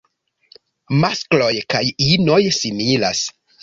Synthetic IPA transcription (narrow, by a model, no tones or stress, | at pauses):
masklo̞jkajino̞jsimila̰s